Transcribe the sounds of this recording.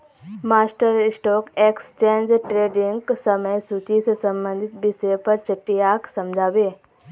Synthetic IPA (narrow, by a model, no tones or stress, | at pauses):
maːsʈəɾɪsʈoːkeːkst͡ʃẽːnd͡ʒʈɾeːɖɪŋɡsəməjsut͡ʃisesɐ̃mbə̃nd̪ʱɪt̪bɪsəpɐɾt͡ʃəʈːijaːksɐmd͡ʒʱaːbeː